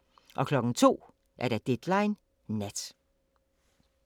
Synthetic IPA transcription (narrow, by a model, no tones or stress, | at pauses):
ʔɒ̽kʰlɒ̽ɡ̥n̩t͡sʰo̝̰ː | ʔæɐɾ̥æd̥ed̥lɑɪnː | æd̥